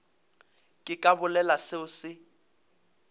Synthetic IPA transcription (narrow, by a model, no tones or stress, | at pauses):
kʼɪkʼabʊlɛlasɪʊsɪ